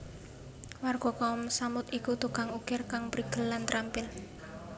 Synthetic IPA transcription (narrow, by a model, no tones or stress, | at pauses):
warɡ̥ɔ̤kaʊmsamʊt̪ikut̪uɡ̥a̤ŋuɡ̥ɪrkaŋpɾiɡ̥ə̤lːant̪ɾampɪl